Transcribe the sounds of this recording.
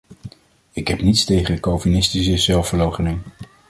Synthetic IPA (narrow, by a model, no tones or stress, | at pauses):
ɪkɦɛpnitstejχəndəkowvinɪstisəzɛlˠfvəɹlowχənɪŋ